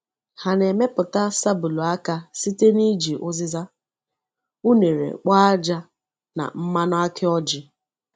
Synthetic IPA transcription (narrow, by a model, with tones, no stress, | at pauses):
ha˨ne˨me˦pʊ˨ta˦sa˦bu˨lu˨a˦ka˦si˦te˦ni˦d͡ʒi˨ʔʊ˦zɪ˦za˦ | u˦ne˨ɾḛ˨k͡pa˦a˦d͡ʒa˦ | na̰˨m̩˦ma˦nʊ˦a˦kʰɪ˦ɔ˦d͡ʒɪ˦